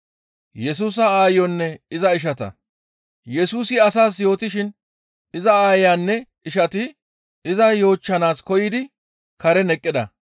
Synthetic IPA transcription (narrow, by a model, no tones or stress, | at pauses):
jɛs̬uːs̬ɐaːjɔnːɛɪzɐɪʃ̬ɐt̪ɐ̰ | jɛsuːsɪɐs̬aːs̬jo̞ːt̪ɪʃɪn | ɪzɐaːjaːnːɛ | ɪʃɐt̪ɪ | ɪzɐjo̞ːt͡ʃːɐnaːskɔjɪd̪ɪ | kɐɾɛnɛkʼːɪd̪ɐ̰